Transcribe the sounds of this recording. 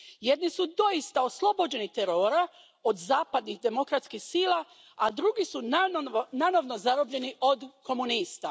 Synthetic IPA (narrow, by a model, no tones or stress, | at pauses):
jed̪nisud̪o̞ist̪ao̞slˠo̞bo̞d͡ʑe̞nit̪eɾo̞ːɾa | od̪zaːpad̪nixd̪e̞mo̞kɾat̪skixsiːlˠa | ad̪ɾuɡisu | nanoʋno̞zaɾobʎe̞niʔo̞d̪ko̞muniːst̪a